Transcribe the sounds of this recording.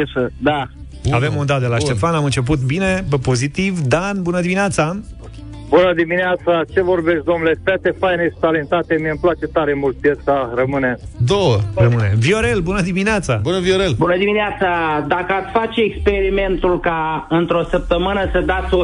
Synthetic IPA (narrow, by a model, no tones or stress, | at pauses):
esəd̪a | ave̞mund̪at̪̚d̪elat̪e̞fanamɨnt͡ʃe̞p̬ut̪bine̞po̞zit̪ivd̪anbunəd̪imineat̪sa | bunəd̪imineat̪sat͡ʃe̞vo̞rbest̪̚ʲd̪omnulefat̪efajneʃi̥t̪alent̪at̪emiəmplat͡ʃe̞t̪aɾe̞mult̪̚pjesarəmɨned̪owərəmɨnevio̞ɾe̞lbunəd̪imineat̪sabunəvioɾelbunəd̪imineat̪sad̪akəat̪sʲfat͡ʃeekspe̞ɾime̞nt̪ulkaɨnt̪ɾo̞səp̚t̪əmɨnəsəd̪at̪sʲo